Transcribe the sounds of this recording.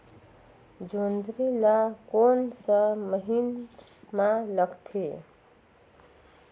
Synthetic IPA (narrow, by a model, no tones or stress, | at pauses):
d͡ʒond̪ɾilakonsəməɦin | maləɡt̪ʰe